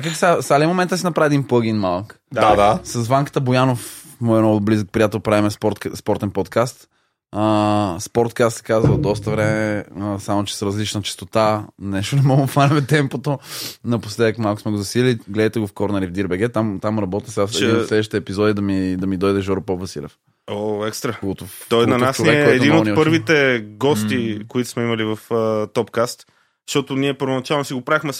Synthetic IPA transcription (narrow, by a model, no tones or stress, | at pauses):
akak̪isasalʲimomɛ̃nt̪əsinɐpɾavɛd̪impəɡinmalˠk | d̪ad̪asɐzvaŋkə̥t̪əbojanof | mɔjənɔɡoblizək̚pɾijat̪ɛlˠpɾavimɛsɾt̪spɔɾt̪ɛnpot̪kast̪ | əspɔɾt̪kast̪sɛ̥kazvəd̪ɔs̬t̪əvɾɛmɛsamot͡ʃɛ̥sɾɐzlit͡ʃnət͡ʃi̥st̪ot̪anɛʃt̪onɛmɔɡot̪vaɾɐmɛt̪ɛmpot̪onɐposlɛd̪əkmalˠkʊ̥smɛɡozɐsiliɡlɛd̪jt̪ɛɡofkɔɾnɐɾivd̪iɾbɛɡ̟ɛt̪amt̪amɾɐbɔt̪əsɛasɛdinoslɛd̪ʃi̥t̪ɛːpizɔd̪id̪ɐmid̪ɐmid̪ɔjd̪ɛʒɔɾpɔblɐsḭlɛ̰f | oɛkst̪ɾɐkɡɔt̪oɔjnɐnasoɛkɛkɔːd̪inooniɔpɤɾvit̪ɛɡɔst̪ikoit̪ʊ̥smɛimɐlivɐft̪ɔpkast̪ | ʃt̪ɔt̪ʊniɛpəɾvonɐt͡ʃalˠnosiɡopɾavixmɛ